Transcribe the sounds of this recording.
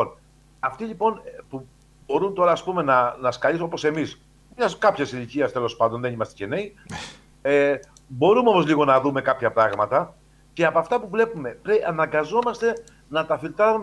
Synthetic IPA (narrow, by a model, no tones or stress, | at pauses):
on | ɐft̪iʎipo̞npu | bo̞ɾunt̪o̞ɾɐːspume̞nɐnɐskɐlis̬opo̞se̞mis | mɲɐskɐpçesiliciɐst̪e̞lo̞spɐnd̪oðe̞nimɐst̪e̥ce̞ne̞i | e | bo̞ɾumeo̞mo̞zliɣo̞nɐðume̞kɐpçɐpɾɐɣmɐt̪ɐ | ceɐpoɐft̪ɐpuvle̞pume̞pɾeɐnɐŋɡɐzo̞mɐst̪e̞ | nɐt̪ɐfilt̪ɐɾum